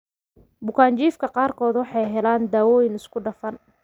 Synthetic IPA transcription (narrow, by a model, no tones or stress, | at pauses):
bʊkʰaːnt͡ʃiːfkʰɐqɑːrkʰɔːd̪wɑħɑjɦɛlaːnd̪aːwɔːjɪnɪskʰʊɖɐfɐn